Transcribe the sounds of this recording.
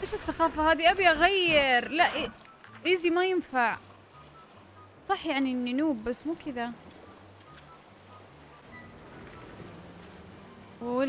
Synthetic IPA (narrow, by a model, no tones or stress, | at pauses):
ʔeːʃɪsːaxɑːfahaːd̪iʔabjʔaɣajːɪɾlaʔʔ | ʔɪzimajɪnfaʕ | sˤɑħjaʕniʔɪnːinuːbːasːmuːkɪd̪a